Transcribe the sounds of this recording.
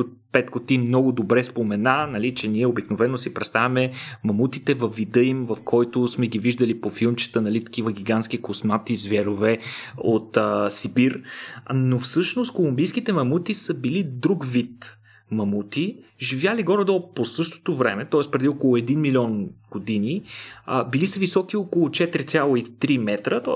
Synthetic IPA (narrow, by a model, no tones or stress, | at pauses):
opɛt̪kot̪imnɔɡʊd̪obɾɛspomɛnanɐlit͡ʃɛniɛobiknovɛnːʊsipɾɛt̪st̪avʲɐmɛmɐmut̪it̪ɛvɐfːid̪ɤimvɐfkʰɔjt̪osmɛɡʲiviʒd̪ɐlipofilˠmt͡ʃə̥t̪ənɐlit̪ɐ̥k̟ivəɡʲiɡansk̟ikosmat̪izvɛɾovɛot̪sibiɾnofsɤʃnost̪kolˠʊmbijskit̪ɛmɐmut̪isəbilid̪ɾukvit̪ | mɐmut̪iʒivʲjaliɡɔɾɐd̪ɔlˠposɤʃt̪o̥t̪ovɾɛmɛt̪ɔɛspɾɛd̪iokolˠʊɛd̪inmilʲiɔnɡ̥od̪ini | bilisəvisɔk̟iokolˠʊt͡ʃɛt̪ɾit̪sʲjalˠoit̪ɾimɛt̪ɾət̪ɔ